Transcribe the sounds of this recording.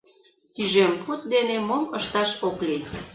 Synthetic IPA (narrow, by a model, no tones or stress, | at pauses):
t̪yʒemput̪̚d̪enemoməʃt̪ɑʃokli